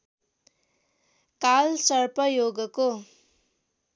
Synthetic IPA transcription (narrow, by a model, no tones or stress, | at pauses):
kalsʌrpʌjoɡʌko